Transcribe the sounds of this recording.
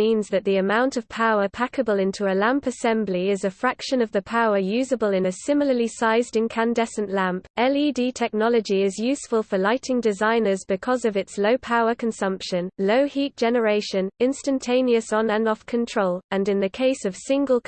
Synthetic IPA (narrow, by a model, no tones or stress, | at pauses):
ĩnzðəʔ̪̚ðiəmãʊ̃ntəv̥pʰaʊəpʰakəbəlˠɪ̃ntʰuəlãmpəsɛ̃mbliɪzəfɹakʃə̃nəvðəpʰaʊəjʉːzəbəlɪ̃nɨsɪ̃ml̩ˠəlisaɪzdɪ̃nkʰãndɛsə̃nʔlãmpɛlidiːtʰɛk̚nɒləd͡ʒiɪzjʉˑsfəlˠfəlaɪtʰɪ̃ŋdɪzãɪ̃nəzbɪkʰɒzəvɪtsləʊpʰaʊəkʰə̃nsʌ̃mpʃə̃nləʊhiˑt̚d̥ʒ̥ɛnəɹeɪʃə̃nɪ̃nstə̃ntʰẽɪ̃niəsn̩ə̃nɒfkʰə̃ntʰɹ̥oʊlə̃nɪ̃nðəkʰeɪsəv̥sɪ̃ŋɡəlˠ